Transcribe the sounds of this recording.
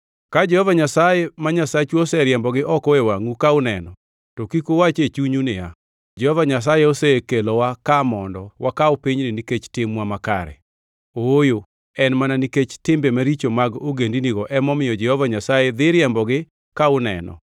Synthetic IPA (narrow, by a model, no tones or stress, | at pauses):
kad͡ʒɛhɔvaɲasajemaɲasat͡ʃuosɛɾjɛmbɔɡɪʔɔkɔewaŋukaʊnɛnɔ | tɔkikowat͡ʃet͡ʃuɲunɪja | d͡ʒɛhɔvaɲas̬ajeosɛkelɔwakamɔndɔwakaopiɲnɪniket͡ʃtɪmwamakaɾɛ̰ | ojo | ɛnmananiket͡ʃtɪmbemaɾit͡ʃomaɡoɡendiniɡɔʔɛmɔmɪjɔd͡ʒɛhɔvaɲasajed̪ɪɾjɛmbɔɡɪ | kaʊnɛ̰nɔ̰